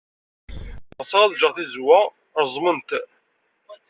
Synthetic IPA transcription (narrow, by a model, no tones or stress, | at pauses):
ʁsˤəʁæðʒəʁθizwæ | ɾˤzˤmənt̪